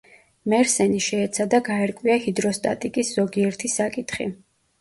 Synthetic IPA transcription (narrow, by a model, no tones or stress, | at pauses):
mɛɾsɛniʃɛːt̪sʰad̪aɡaɛɾkʼwiahid̪ɾɔst̪ʼa̰t̪ʼikʼisz̥ɔɡiɛɾt̪ʰisakʼit̪ʰχḭ